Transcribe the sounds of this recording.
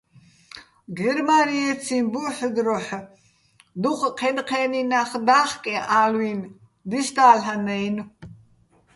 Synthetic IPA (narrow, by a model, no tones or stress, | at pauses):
ɡɛɾmaɾiɛt͡sʰinbuħd̪ɾɔħ | d̪uχqʰɛnqʰɛːninaχd̪aːχkʼɛʔaːlwin | d̪ist̪aːlɦanɛjn